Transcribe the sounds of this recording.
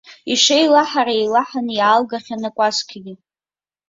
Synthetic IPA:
iʂejlaħaɾaejlaħanjaːlɡaχʲanakʷʼaskʲʰaɡʲɪ

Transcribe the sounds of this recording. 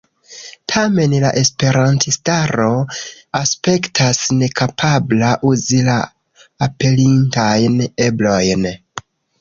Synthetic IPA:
tʰame̞nla̰ʔe̞spe̞ɾantʰistaɾo̞ | aspe̞ktʰasne̞kʰapʰablaʔuzilaː | pe̞lintajne̞blo̞jn

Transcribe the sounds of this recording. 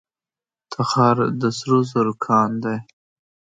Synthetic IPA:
t̪ʰaxɑɾd̪əsɾozaɾokʰɑnd̪aj

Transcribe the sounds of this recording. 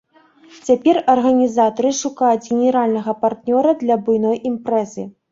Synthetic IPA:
t͡sʲapʲɛrɐrɣɐnʲizat̪ɐɾɨʂukajud͡zʲɣʲenʲɛɾalʲnɐɣɐpart̪nʲɔɾɐd̪lʲɐbujnɔjimpɾɛzɨ

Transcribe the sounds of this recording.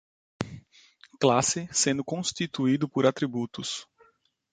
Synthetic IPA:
klasɪsẽnd̪ʊkõst̪it̪uid̪ʊpoɾat̪ɾibut̪ʊs

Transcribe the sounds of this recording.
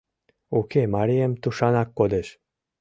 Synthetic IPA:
ukemaɾiemt̪uʃanakːod̪eʃ

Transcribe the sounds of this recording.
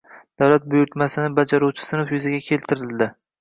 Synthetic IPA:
d̪̥awlat̪̚bʊjʊɾt̪masɪnɪbad͡ʒaɾuwt͡ʃʰɪ̥sɪnɪfjʊzaɡʲakʲʰe̞lt̪ʰɪɾɪld̪ɪ

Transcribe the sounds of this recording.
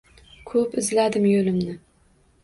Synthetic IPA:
kʰɵpɪzlad̪ɪmjolɪmnɪ

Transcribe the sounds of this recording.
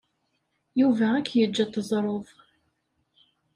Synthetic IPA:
juvæækːjəd͡ʒːæt̪əzˤɾˤoðˤ

